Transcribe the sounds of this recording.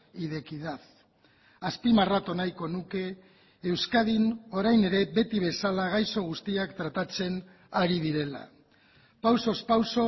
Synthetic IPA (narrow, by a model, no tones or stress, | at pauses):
iðe̞kiðaθ | aspimarat̪onajko̞nuke̞ː | wskaðino̞ɾajne̞ɾe̞be̞t̪iβ̞e̞salaɣajso̞ɣ̞ust̪iakt̪ɾat̪at͡se̞n | aɾiðiɾe̞la̰ | pawso̞spawso